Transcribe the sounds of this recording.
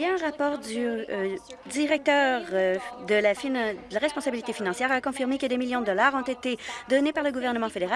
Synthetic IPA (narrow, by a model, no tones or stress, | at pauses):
jɛ̃ɛ̃ʁapɔːʁd̪y | d̪iʁɛk̚t̪œːʁd̪əlafəlaʁɛspɔ̃sabilit̪efinɑ̃sjɛːʁakɔ̃fiʁmekəd̪emiljɔ̃d̪əd̪ɔlaːʁɔ̃t̪et̪ed̪ɔnepaʁləɡuvɛʁnəmɑ̃fed̪eʁa